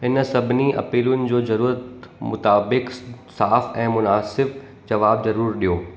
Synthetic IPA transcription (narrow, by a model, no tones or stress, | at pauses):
ɦɪnsɐbʱɪniɐ̰piːlʊnɪ̆d͡ʑoːzɐɾuːɾət̪mʊt̪aːbɪksaːfɛ̃ːmʊnaːsɪb | d͡ʑɐʋaːbzɐɾuːəɾɗijoː